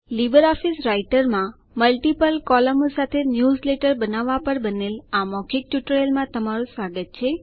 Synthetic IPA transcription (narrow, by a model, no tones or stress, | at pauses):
libəɾɔfisɾaiʈəɾmã | məlʈipəlkɔləmsat̪ʰenjuzleʈəɾbənaʋːapəɾbənelamɔkʰik̚ʈuʈɾelmãt̪əmaɾũsʋaɡət̪̚t͡ʃʰe